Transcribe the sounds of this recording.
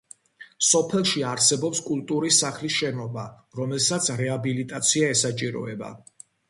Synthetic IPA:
sɔpʰɛlˠʃiaɾsɛbɔpskʼulˠt̪ʼuɾisːaχlisʃɛnɔba | ɾɔmɛlsat̪sʰɾɛabilit̪ʼat̪sʰiaɛsat͡ʃʼiɾɔ̰ɛba̰

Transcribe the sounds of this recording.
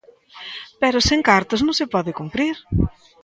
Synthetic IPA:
pɛɾʊseŋkaɾt̪ʊznõŋsɪpɔðɪkumpɾiɾ

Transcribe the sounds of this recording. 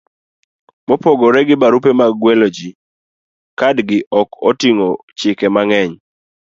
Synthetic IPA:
mɔpɔɡɔɾɛɡɪbaɾupemaɡwɛlod͡ʒi | kadɡɪʔɔkotiŋot͡ʃɪkɛmaŋɛɲ

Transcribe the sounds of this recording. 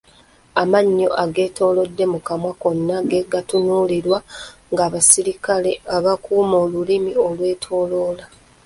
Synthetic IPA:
amaɲːo̞ʔaɡe̞ːto̞ːlo̞dːe̞mukamwako̞nːaɡe̞ɡatunuːliɾwaŋɡaːβasiɾikale̞aβakuːmoːlulimio̞lwe̞ːtʰo̞ːlo̞ːla

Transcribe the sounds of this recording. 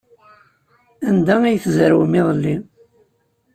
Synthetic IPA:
ænd̪ææjθzɾwəmiðˤəlːi

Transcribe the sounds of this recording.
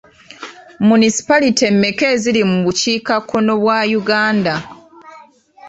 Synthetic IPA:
munisi̥palite̞mːe̞ke̞ːzilimuβuciːkakʰːo̞no̞βwajuɡaːnda

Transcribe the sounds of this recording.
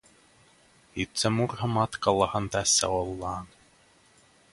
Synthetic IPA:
it̪sɛmurɦɤ̆mɑt̪kɑlˠːɑhɤnt̪æsːæ̰ɔlˠːɑːn

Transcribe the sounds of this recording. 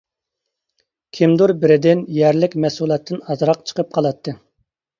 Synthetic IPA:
kʲʰimd̪uɾbɪɾɪd̪ɪnjɛɾlɪkʲmɛsulˠɑt̪ʰːɨnɑzɾɑqt͡ʃʰə̥qəp̚qʰɑlˠɑt̪ʰːɨ

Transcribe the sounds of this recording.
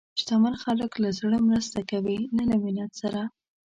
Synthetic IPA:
ʃt̪amaɾxaləklazɽəmɾəst̪akawilanaminjat̪saɾa

